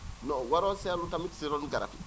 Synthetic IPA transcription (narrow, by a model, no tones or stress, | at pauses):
nɔwaɾasɛjalutamiti̥seɾɔnuɡaɾa̰fḭ